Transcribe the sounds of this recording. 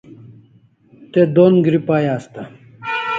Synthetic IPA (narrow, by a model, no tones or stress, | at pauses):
t̪ed̪onɡɾipaːjaːst̪a